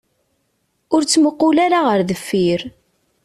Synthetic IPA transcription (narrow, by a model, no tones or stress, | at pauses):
ʊɾt͡sːməqːʊlaɾaʁəɾðəfːiɾ